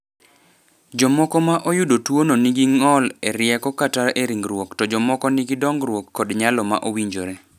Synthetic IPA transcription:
d͡ʒɔmɔkɔmaʔojʊdotwononiɡiŋɔleɾɪjɛkɔkataɾeɾiŋɡɾwoktɔd͡ʒɔmɔkɔniɡidɔŋɡɾwokːɔdɲalɔma̰ʔowiɲd͡ʒoɾɛ

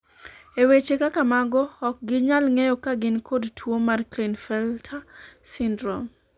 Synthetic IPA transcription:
ewet͡ʃekakamaɡɔɔk̚ɡɪɲalŋejɔkaɡɪnkodtwomarklinfɛltʰasindɾɔm

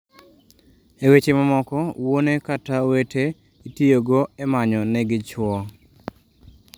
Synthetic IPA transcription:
ewet͡ʃemamɔkɔwonekatawetʰe | itijoɡoemaɲɔnɛɡɪt͡ʃwɔ

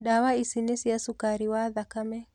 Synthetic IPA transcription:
ɗawaisinisiasukaɾiwaðakamɛ

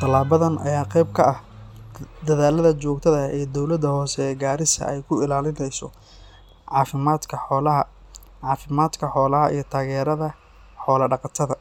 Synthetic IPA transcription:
t̪ʰɐlaːβɐðɐnʔɐ̰jaːqɛjb̚kʰɐʔɐh | d̪ɐðaːlɐðɐt͡ʃɔːɡt̪ʰɐðɐɛːd̪ɔwlɐd̪ːɐhɔːsɛːɡaːɾɪsɐ̰ɛjkʰʊɪlaːlɪnɛjsɔ | ʕɑːfɪmaːd̪kʰɐɔlɐɦɐ | ʕɑːfɪmaːd̪kʰɐħɔːlɐɦɐ̰ʔḭjɞt̪ʰaːɣɛːɾɐðɐ | ħɔːlɐɖɑqɑt̪ʰɐðɐ

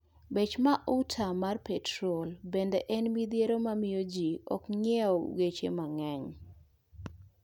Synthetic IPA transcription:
bet͡ʃmaʔutʰamarpɛtɾolbendɛʔɛnmid̪jeɾomamɪjod͡ʒiɔ̰kɲɛɔ̰ɡet͡ʃḛmaŋɛɲ

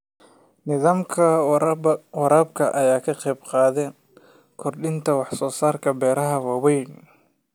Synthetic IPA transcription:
nɪðaːmkʰɐ | wɑɾaːb̚kʰɐʔɐjaːkʰɐqɛjbqɑːðɛːn | kʰɔrɖɪnt̪ʰɐwɑħsɔːsaːrkʰɐbɛːɾɐɦɐwɑwɛjn

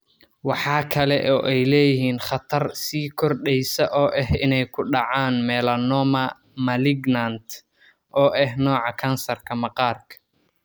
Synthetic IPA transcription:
wɑħɑːkʰɐlɛʔɔːʔɛjlɛːjɪɦiːnχɑt̪ʰɐrsiːkʰɔrɖɛjsɐʔɔːʔɛɦɪnɛjkʰʊɖɑʕaːnmɛːlɐnɔːmɐ | mɐlɪɡnɐnt̪ʰ | ʔɔːʔɛɦnɔːʕɑkʰɐnsɐrkʰɐmɐqɑːrkʰɐ̥

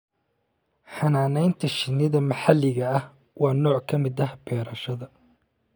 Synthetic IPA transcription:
ħɑnaːnɛjnt̪ʰɐʃɪnːɪðɐmɐħalːɪɣɐɐh | wɑːnɔːʕkʰɐmɪd̪ɐɦɐbʰɛːɾɐʃɐðɐ

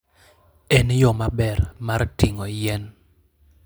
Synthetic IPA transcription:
ɛnjɔmabɛrmartiŋɔjɛn

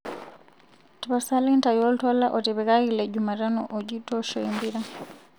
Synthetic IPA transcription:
tiβasalintajɔltɔlaʔɔtɛβɛkailɛɟumaɾanɔ̰ʔɔɟitɔʃɔimbiɾa

